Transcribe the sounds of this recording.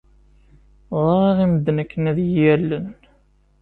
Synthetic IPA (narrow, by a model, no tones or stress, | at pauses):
ðˤɑˤɑʁiməd̪ːənəkːənæðjjælːən